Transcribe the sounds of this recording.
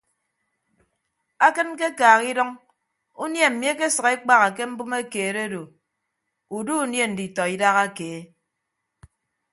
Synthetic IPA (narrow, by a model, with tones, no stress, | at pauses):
a˦kɨ˦nke˦kaː˨ɣi˦dɔ˦ŋ | u˦nje˦m̩˨mje˦ke˦sɨ˨ɣe˦k͡pa˦ɣa˨ke˦m̩˦bu˦me˦keː˨ɾe˦do˨ | u˨du˦u˦nje˦n̩˨di˨tɔ˨i˦da˦ɣa˦keː˨˦